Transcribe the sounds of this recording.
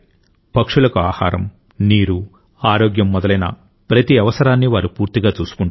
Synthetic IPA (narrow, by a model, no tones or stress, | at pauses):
pɐkʂulɐkuaːha̰ːɾɐ̰m | niːɾu | aːɾoːɡjɐmːɔd̪ɐlɐjnɐ̰ | pɾɐt̪iɐʋɐsɐɾaːnːiʋaːɾupuːɾt̪iɡaːt͡ʃuːsu̥kuɳ